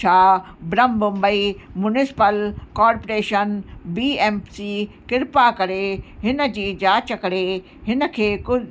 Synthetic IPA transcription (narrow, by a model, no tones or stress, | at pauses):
aː | bɾəmbʊ̃mbəimʊnɪsɪ̥pəlkaːɾpoɾeːʃənbiːemsikɪɾpakɐɾeɦɪnə̆d͡ʑiːd͡ʑaːt͡ɕəkɐɾe | ɦɪnə̆kʰeːkʊ